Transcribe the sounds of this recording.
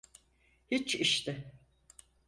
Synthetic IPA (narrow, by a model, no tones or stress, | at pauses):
hit͡ʃʰiʃt̪ʰɪ